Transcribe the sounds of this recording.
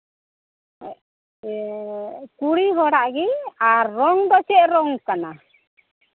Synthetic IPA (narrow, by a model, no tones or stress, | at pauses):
kuɽiɦɔɽaʔɡiaɾːɔŋd̪ɔt͡ʃɛʔɾɔŋkana